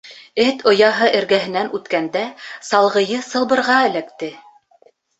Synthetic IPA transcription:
ɘt̪ʰŏjɑɦɤʔɘ̆ɾɡæɦɘ̆nænʉt̪kænd̪æsɑlˠʁɤ̆jɤsɤ̆lˠbɤ̆ɾʁɑɘ̆lækt̪ɘ

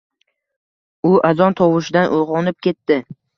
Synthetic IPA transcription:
ʊʔazɒnt̪ʰɒwɪʃɪd̪anʔojʁɒnɪp̚kʲʰe̞t̪ːɪ

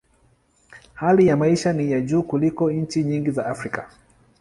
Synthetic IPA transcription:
halijamaiʃanijaʄuːkulikɔɲ̩t͡ʃiɲiŋɡizaʔafɾika

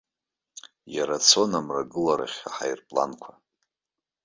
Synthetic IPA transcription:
jaɾat͡sʰo̞namraɡɨlaɾa̰χʲaħajrpʼla̰nkʷʰa

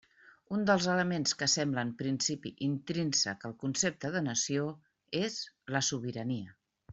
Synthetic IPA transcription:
und̪əlˠzələmenskəsɛmbləːmpɾinsipḭʔint̪ɾinsə̰kəlˠkunsep̚t̪əðənəsio | ezləsuβiɾəniə

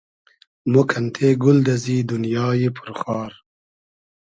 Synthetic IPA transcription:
mokʰɐnt̪ʰeɡʊld̪ɐzid̪unjɑːjepʰʊɾxɑːɾ

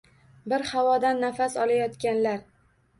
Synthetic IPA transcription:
bɪɾhawɒd̪anːafasɒlajɒt̪kʲanlaɾ

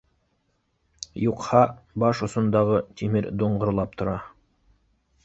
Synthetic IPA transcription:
juqhɑbɑʃŏsŏnd̪ɑʁɤt̪ʰimɘɾd̪oɴʁŏɾlˠɑp̚t̪ʰŏɾɑ

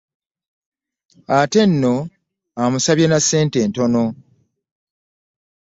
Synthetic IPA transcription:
ate̞nːo̞ | amusaβjenasːe̞ːnte̞ːnto̞no̞

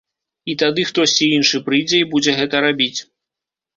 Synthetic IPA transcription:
it̪ad̪ɨxt̪ɔsʲt͡sʲiinʂɨpɾɨjd͡zʲɛjibud͡zʲɛɣɛt̪ɐɾabʲit͡sʲ

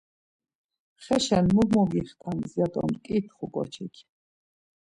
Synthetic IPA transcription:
χɛʃɛnmuɡmɔɡiχt̪ʰanzjad̪ʼɔ̰mkʼit̪ʰχukʼɔ̰t͡ʃʰikʰ

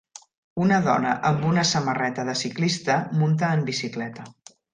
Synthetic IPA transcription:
unəðɔ̰nə̰ʔəmbunəsəmərɛt̪əðəsiklist̪əmunt̪əːmbisiklɛt̪ə

